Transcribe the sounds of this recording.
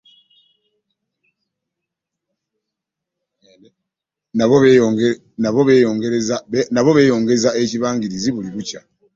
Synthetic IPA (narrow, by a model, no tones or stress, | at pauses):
no | naβoβejoŋɡeɾznaβo̞βe̞ːjo̞ːŋɡe̞zae̞ciβaːŋɡiɾiziβuliβuca